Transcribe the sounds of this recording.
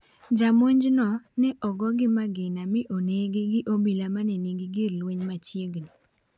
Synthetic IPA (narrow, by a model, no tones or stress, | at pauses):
d͡ʒamoɲd͡ʒnɔnɛʔɔɡɔɡɪmaɡɪnamɪʔoneɡɪɡɪʔobilamanɛneɡiɡɪɾlweɲmat͡ʃjeɡni